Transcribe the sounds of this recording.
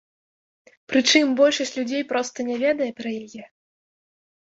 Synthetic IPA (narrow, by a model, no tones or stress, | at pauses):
pɾɨt͡ʂɨmbɔlʲʂɐsʲt͡sʲlʲud͡zʲejpɾɔst̪ɐnʲɛvʲɛd̪ɐjɛpɾɐjajɛ